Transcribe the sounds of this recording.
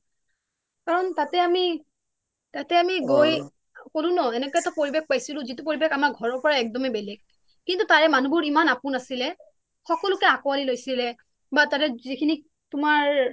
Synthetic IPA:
kaɹɔntatɛami | tatɛamiɡoj | kolʊ̃nɔɛnɛkɔjɛtɔpoɹibek̚pajsilʊ̃zitupoɹibekamakɡʱɔɹɔɹpɔɹaɛk̚dɔmɛbɛlɛɡ̚ | kintutaɹɛmanubʊɹimanapʊnasilɛ | xɔkɔlʊkɛakɔwalilojsilɛ | batatɛzikʰini | tʊmaɹ

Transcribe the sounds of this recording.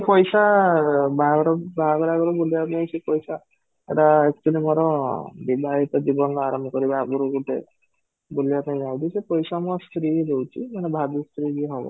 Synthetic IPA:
pɔjsa | bʱaɔɾɔbʱaɡɔɾaɡɔɾɔbulijapnaj̃sepɔjsa | ḛʈaekt͡ʃulimɔɾɔbidajit̪ɔd͡ʒibɔnaɾɔmbʱɔkɔɾibakuɾuɡuʈḛ | bulijapaj̃d͡ʒaw̃t̪ʰisepɔjsamɔst̪ɾidowt͡ʃʰimanebʱad̪ust̪ɾiɡiɦɔbɔ̰

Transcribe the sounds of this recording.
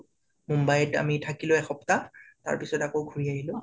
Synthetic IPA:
mɔmbajɛta̰mitʰakilʊɛxɔptata̰ɹpisɔtakowɡʱuɹiaɦilʊ̃

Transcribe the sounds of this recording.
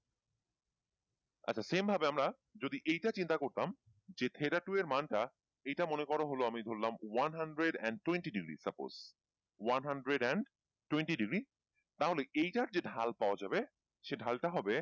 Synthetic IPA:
a̰tːt͡ɕʰasembʱabeamɾa | d͡ʑod̪iʔejʈat͡ɕint̪akoɾt̪am | d͡ʑet̪ʰeɾaʈueɾmanʈa | ejʈamonekɔɾaɦoloamid̪ʱoɾlamwanɦaɳɖɾeɖɛ̰ɳɖ̚ʈːweɳʈiɖiɡɾḭsapo̰z̥ | wanɦaɳɖɾeɖɛɳɖ | ʈweɳʈiɖiɡɾi | t̪aɦoleʔejʈaɾd͡ʑeɖʱalpaoad͡ʑabe | ʃeɖʱalʈaɦɔbe

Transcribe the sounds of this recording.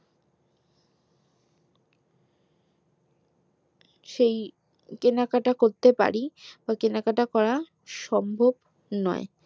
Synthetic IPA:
ʃej | kenakaʈakoɾt̪epa̰ɾibakenakaʈakɔɾa | ʃɔmbʱob | nɔ̰e

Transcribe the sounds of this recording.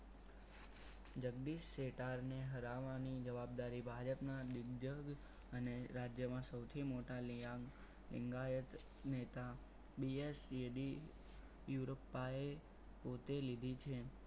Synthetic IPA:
d͡ʒəɡd̪iʃːeʈaɾneɦəɾaʋanid͡ʒəʋab̚d̪aɾibʱad͡ʒəpnad̪ɪɡd͡ʒəɡ | əneɾad͡ʒjəmãsəwt̪ʰimoʈala | lɪ̰ŋɡajət̪ | net̪a | bieseɖi | juɾopːae | pot̪elid̪ʱit͡ʃʰe

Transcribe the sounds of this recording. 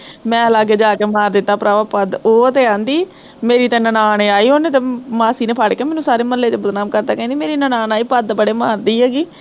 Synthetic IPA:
mɛ̃ːəlaːɡeːd͡ʒaːkeːmaːɾd̪ɪt̪ːaːpɾaːʋapəd̪oːt̪eːãːnd̪iː | meːɾiːt̪ẽːnənaːneːaːiːɦoːneːt̪ẽːmaːsiːneːpʰaːɽkeːmɛːnũːsaːɾeːməlːeːt̪eːbəd̪naːmkəɾd̪aːkɛ̃ːnd̪iːmeːɾiːnənaːnaːiːpəd̪bəɽeːmaːɾd̪iːɦɛːɡiː

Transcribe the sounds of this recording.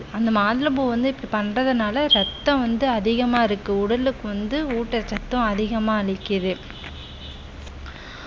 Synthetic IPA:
ɐnd̪ɐmaːðɪlɐmboʋɐnd̪ɯɪpːɐɽipɐnrɐðɯnaːlɐɾɛt̪ːɐ̃ʋɐnd̪ɯɐðɪɣɐmaːɪɾɯkːɯʊɽɐlɯkːɯʋɐnd̪ɯuːʈːɐt͡ʃːɐt̪ːɐ̃ɐðɪɣɐmaːɐɭɪkːɪðɯ

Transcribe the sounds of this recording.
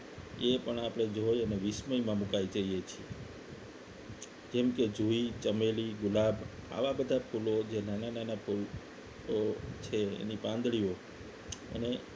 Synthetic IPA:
epəɳapəɽ̃ed͡ʒojəneʋisməimãmukaid͡ʒəiet͡ʃʰie | d͡ʒemked͡ʒʱuit͡ʃəmeliɡʊlabʱa̰ʋabəd̪ʱapʰulod͡ʒenanananapʰul | ot͡ʃʰḛːnipãnd̪ɭio | ə̰ne

